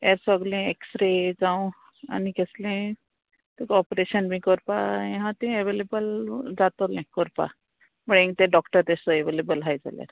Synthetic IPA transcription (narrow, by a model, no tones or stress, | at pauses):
eɾsɔɡlẽeksɾed͡zaw̃ | a̰nikeslẽ | t̪ekɔpɾeʃənbʱĩkɔɾpajẽɦãt̪ẽeʋelebəld͡zat̪olẽkɔɾpa̰ | bəɽẽŋ̚t̪eɖɔkʈəɾt̪esɔeʋelebəlɦajd͡za̰la̰ɾ